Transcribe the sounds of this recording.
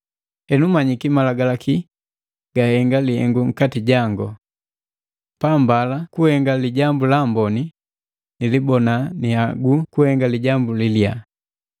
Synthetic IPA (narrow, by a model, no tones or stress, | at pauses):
hɛnumaɲikimalaɡalaki | ɡ̥ahɛŋɡalihɛ̰ŋɡuŋ̩katiɟaŋɡɔ | pambalakuhɛŋɡaliɟambulambɔni | nilibɔnaniaɡukuhɛŋɡaliɟambulilja